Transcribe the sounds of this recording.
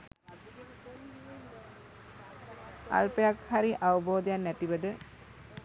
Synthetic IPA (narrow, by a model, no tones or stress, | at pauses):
a̰lpəjakhaɾiʔawəboːd̪janːæt̪iʋəd̪ə